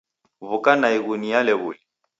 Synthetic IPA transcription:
βukanaiɣunijalɛɣuli

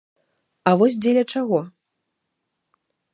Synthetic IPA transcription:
ɐvɔsʲd͡zʲelʲɐt͡ʂaɣɔ

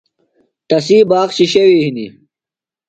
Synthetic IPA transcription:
ʈ̪ɐsiːbaːqɕiɕewiɦini

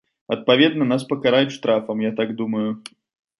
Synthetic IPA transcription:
ɐt̪̚pavʲɛd̪nɐnaspɐkaɾajʊtʲʂt̪ɾafɐmjat̪aɡd̪uməjʊ

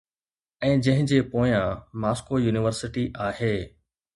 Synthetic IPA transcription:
ɛ̃ːd͡ʑɐ̃ɦɪ̃d͡ʑeːpoːjãmaːskojuːnɪʋəɾsɪʈiʔaːɦeː

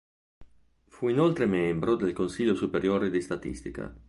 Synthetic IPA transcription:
fuinolt̪ɾemembɾod̪elkonsiʎosupeɾjoːɾed̪ist̪at̪ḭst̪ika̰

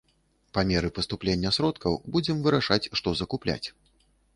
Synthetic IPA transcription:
pamʲɛɾɨpɐst̪uplʲenʲːɐsɾɔt̪kɐwbud͡zʲɛmvɨɾaʂat͡sʲʂt̪ɔzɐkuplʲa̰t͡sʲ

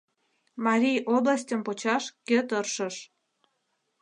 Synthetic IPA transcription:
mɑɾʲijoblɑs̬ʲtʲəmpot͡ɕɑʃkøt̪ərʃəʃ

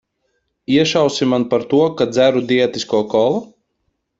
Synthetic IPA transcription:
iɛʃawsimanpaɾt̪uɔkad̪zæɾud̪iɛt̪iskuɔkɔlˠu

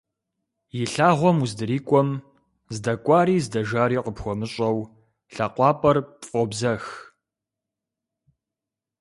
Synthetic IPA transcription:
jɪɬaːʁʷɔmuzdɨɾiːkʷʼɔm | zdɐkʷʼɑːɾiːzdɐʒaːɾiːqəpxʷɔmɨɕʼɐw | ɬɐqʷɑːpʼɐrpfʼobzɐx

